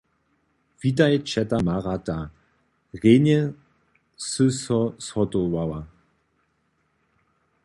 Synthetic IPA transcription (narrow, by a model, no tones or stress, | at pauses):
vitajɛt͡ʃɛtamaʁata | ʁenɛ | sɨsɔshɔtowawa